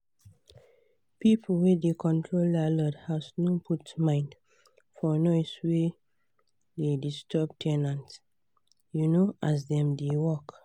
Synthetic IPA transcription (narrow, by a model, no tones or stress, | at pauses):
pipʰlwedekʰɔ̃ntʰɹolalɔdhasnopʰutmãɪ̃nd | fɔnɔɪswe | dedistʰɛb̚tʰɛnãnt | junoʔasdɛ̃mdewɔk